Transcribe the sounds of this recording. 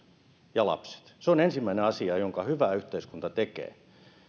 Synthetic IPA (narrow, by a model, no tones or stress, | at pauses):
jɑlɑ̰pse̥t̪seonensimːæineɑsiɑjoŋkɑhyʋæyht̪eiskunt̪ɑt̪ekḛː